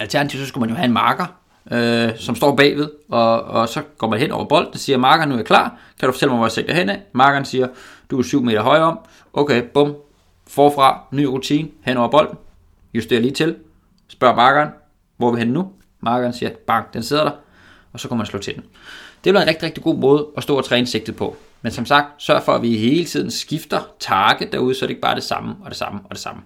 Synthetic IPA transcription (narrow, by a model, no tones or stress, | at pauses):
ælt͡sʰæɐnæt͡sʰiʊ̰sɒsɡ̥umænjo̝ɦæe̝nmɑ̈ːɡ̥ɐ | øsɒ̽msd̥ɒ̰ːb̥ɛ̰ːʋe̝ðˠɒ̽ːsɒ̽ɡ̥ɒ̰ːmænɦenʔɒ̰ʊ̰ɐb̥ɒ̽l̰d̥n̩siːɐmɑ̈ːɡ̥ɐnuæɐ̥kʰlɑ̰̈ː | kʰæd̥ufɒ̽t͡sʰel̰maɪʋɒjæseɡ̥d̥ɐɦenɛmɑ̈ːɡ̥ɐn̩siːɐd̥uæsyʊ̰me̝̰ːɾ̥ɐɦɒ̽ɪɐɒ̽m̰ | ʔɔʊkʰeɪb̥ɔ̽m̰ | fɒːfʁɑ̈ny̰ːʁut͡sʰiːnəhen̰ɒ̰ʊɐb̥ɒ̽l̰d̥n̩ | jusd̥e̝ːɐliːt͡sʰe̝l | sb̥ɶɐ̰mɑ̈ːɡ̥ɐːn | ʋɒʋihenːu | mɑ̈ːɡ̥ɐnsiːɐb̥ɑ̈ŋ̰ɡ̥̚d̥ense̝ð̞̰ˠɐd̥ɑ̈ | ɒ̽sɒ̽kʰumænslo̰ːt͡sʰe̝d̥n̩ | d̥e̝e̥lʋiɐenʁɛɡ̥̚diʁɛɡ̥̚d̥iɡ̥o̝̰ːmɔ̽ːð̞ˠəɒ̽sd̥ɔ̰ːt͡sʰʁɛːnse̝ɡ̥̚d̥ð̩ˠpʰɒ̽ | mensɒ̽msɑ̈ɡ̥̚d̥sɶɐfɒ̽æʋihe̝ːlət͡sʰið̞̰ˠn̩sɡ̥ifd̥ɐt͡sʰɑːɡ̥əd̥æɐuð̞̩ˠsɒɾe̝ɡ̥̚b̥ɑ̈ːd̥e̝sɑ̈məɒ̽d̥e̝sɑ̈məɒ̽d̥e̝sɑ̈mə